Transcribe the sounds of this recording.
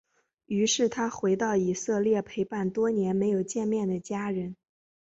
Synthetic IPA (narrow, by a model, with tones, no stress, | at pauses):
y˧˥ʂɻ̩˥˩t̪ʰa˥xwe˧˥ɪt̪ɑ˥˩ʊi˨˩sɤ˥˧ljɛ˥˩pʰe˧˥ɪpa˥˩nt̪wɔ˥njɛ˧˥nme˧˥ɪjo˨˩ʊt͡ɕjɛ˥˧nmjɛ˥˩nd̪ə˩t͡ɕja˥ɻə˧˥n